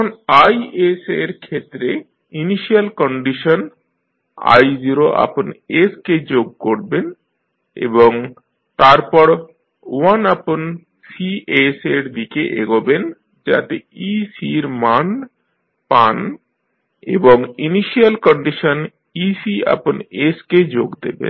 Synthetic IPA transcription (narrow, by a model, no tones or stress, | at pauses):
onajeseɾkʰet̪ːɾe | iniʃialkɔɳɖiʃon | a̰jziɾoʔa̰ponesked͡ʑoɡ̚koɾben | ḛboŋ | t̪aɾpɔɾ | wanapon | sieseɾd̪ikeʔeɡoben | d͡ʑa̰t̪eisiɾmaɳ | pan | ḛboŋiniʃialkɔɳɖiʃon | isia̰ponesked͡ʑoɡd̪ḛbḛn